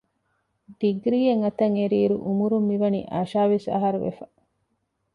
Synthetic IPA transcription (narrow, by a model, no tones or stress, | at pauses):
ɖ̪̥iɡɾiːeŋɐt̪ɐŋeɾiːɾṵʔumuɾumːiʋɐnḭʔɐʃaːʋesɐ̰ɦɐɾuʋḛfɐ